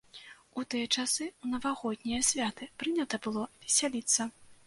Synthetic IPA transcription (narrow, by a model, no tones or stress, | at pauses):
ut̪ɨjɐt͡ʂasɨunɐvaɣɔd̪̚ʲnʲijɐsʲvʲat̪ɨpɾɨnʲɐt̪ɐbɨlˠɔvʲɛsʲalʲit̪sːɐ